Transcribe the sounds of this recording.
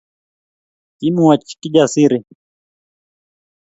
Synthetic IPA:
kimuwat͡ʃi̥kiʄasiɾi

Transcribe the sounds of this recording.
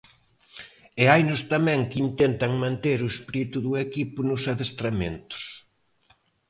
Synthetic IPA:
ɛajnʊst̪amɛ̃ŋkint̪ent̪ɐŋmãnt̪eɾʊespɾit̪ʊðʊekipʊnʊsaðest̪ɾamḛ̃nt̪ʊ̥s

